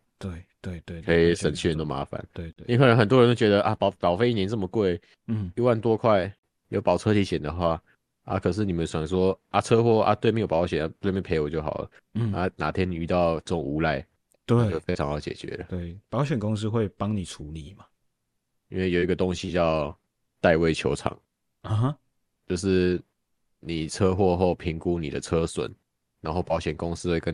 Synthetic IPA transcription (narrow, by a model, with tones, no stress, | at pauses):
t̪we˥˩ɪt̪we˥˩ɪt̪we˥˩kʰə˧˥i˨ʂə˨nt͡ɕʰy˥˩ɻə˧˦nt̪o˥˩ma̰˧˥˦fa̰˨˩˦nwe˥˧ɪ˥kə˨˩nə˧˥nxə˨˩nt̪wɔ˥ɻə˧˦t̪o˥˩t͡ɕɥɛ˧d̪ə˧ʔa˧pɑ˨ʊtɑ˨ʊfe˥˧ɪi˥˩njɛ˧˥nt͡sə˥˩mə˨˩kwe˥˩ɪ˩ | i˧˥wa˥˨nt̪wɔ˥kʰwa˥˩ɪ | jo˧˥ʊpɑ˨˩ʊt͡sʰɤ˥tʰi˧˥ɕjɛ˨˩nd̪ə˨xwa˥˩ | a̰˥˨kʰɤ˨˩ʂ̬ɻ̩˥˩ni˨˩mə̃˨˦nswa˨˩ŋʂwɔ˦ʔa˨˩t͡sʰɤ˥˦xwɔ˥˩ʔa̰˧t̪we˥˩ɪme˥jo˨˩pɑ˧˥ʊɕɥɛ˨˩na˥˩t̪we˥˩ɪme˥˩pʰe˧˥ɪwɔ˨˩t͡ɕjo˥ʊxɑ̰˨˩ʊlə̰˩˦ | na˥˩na˧˥t̪ʰjɛ˥ni˨y˧t̪ɑ˥˧ʊʈ͡ʂɤ˥˩ʈ͡ʂʊ˨˩ŋu˧˥la˥˩ɪ | t̪wt͡ɕo˥˩ʊfe˥ɪɑ˧˦ŋxɑ˧˥ʊt͡ɕjɛ̰˨˩t͡ɕɥɛ̰˧˦lə̰˦t̪we˥˩ɪpɑ˨˦ʊɕɥɛ˨˩nko˥˦ŋs̬̩˥xwe˥˨ɪpɑ˦ŋni˨˩ʈ͡ʂʰu˨˧˦li˨˩˦ma˨˦ | i˦˥nwe˥˩ɪjo˨˩ʊi˧ɡə˨t̪o˦ŋɕi˧t͡ɕjɑ˥˧ʊ | t̪a˥˧ɪwe˥˧ɪt͡ɕʰjo˧˥ʊʈ͡ʂʰɑ̰˨˩˦ŋ̩˨ | ɦɐ˦ | t͡ɕjo˥˧ʊʂɻ̩˥˩ | ni˨˩t͡sʰɤ˦˥xwɔ˥˧xo˥˩ʊpʰi˧˥ŋku˥˦nḭ˨˩d̪ə̰˦t͡sʰɤ˦swə̰˨˩˦n | na˧˥nxo˥˩ʊpɑ˧˥ʊɕɛ˨˩nko˦ŋsɹ̩˥xwe˥˧ɪkə˧˦n